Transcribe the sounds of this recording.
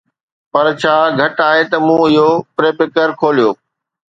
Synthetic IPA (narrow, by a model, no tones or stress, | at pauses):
pɐɾt͡ɕʰaːɡʱɐʈaːɦet̪ɐmũːɪɦopɾeːpɪkəɾkʰoːlijoː